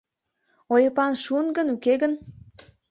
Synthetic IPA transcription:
ojəpɑnʃunɡənukeɣən

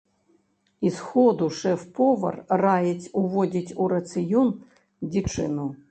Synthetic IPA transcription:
isxɔd̪ʊʂɛfpʰɔʋɐ̰rrajɛt͡sʲʊʋɔdʲitʲuɾɐt̪sɨjun | dʲit͡ʂɪ̰nu

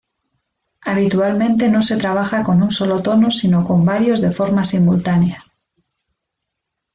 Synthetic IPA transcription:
aβ̞it̪ualmẽnt̪e̞no̞se̞t̪ɾaβ̞axako̞nunso̞lo̞t̪o̞nosino̞ko̞mbaɾjo̞zðe̞fo̞ɾmasimult̪anea

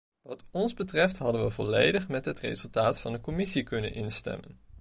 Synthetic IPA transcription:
ʋɑtɔnzbətrɛftɦɑdənʋəvɔlejdəχmɛtɦətrḛzɵlˠtaːtfɑndəkɔmɪsikɵnə̰nʔɪnstɛ̰mən

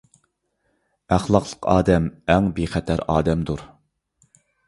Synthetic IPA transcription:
æχlˠɑqʰlˠə̥qɑ̰ːd̪ɛmɛŋbeχɛt̪ʰæɾɑ̰ːd̪ɛmd̪uɾ

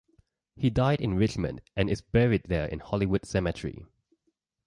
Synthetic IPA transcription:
hidaɪdɪ̃nɹɪt͡ʃmə̰̃ndʔɛ̃nɪsbɛɹid̚ðəɪ̰̃nhɔliwʊd̥sɛmətʰɹḭ

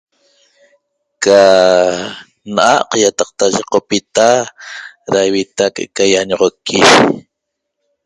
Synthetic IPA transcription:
ka | nʔaqjat̪ɑq̚t̪aʒeqopit̪a | ɾajwit̪akʼʔeʔkajaɲoʁokʰːiʃ

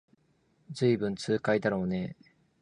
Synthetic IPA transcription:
d͡zɨibɯ̟̃nt͡sɨːkaid̪aɾo̞ːne̞

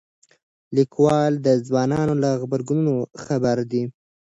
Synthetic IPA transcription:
likwɑld̪əzwɑnɑnolaɣbaɾɡununoxabaɾd̪i

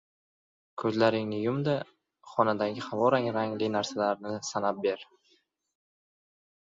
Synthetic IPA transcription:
kʰɵzlaɾɪŋnɪjʊmd̪a | χɒnad̪aɡʲɪhavɒɾaŋɾaŋlɪnaɾsalaɾnɪsanap̚be̞ɾ

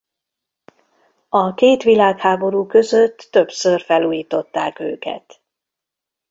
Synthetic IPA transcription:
ɒkeːt̪ʋilaːkhaːbo̞ɾuːkø̞zøt̪ːø̞psørfɛluːjiːt̪o̞t̪ːaːkø̰ːkɛ̰t̪

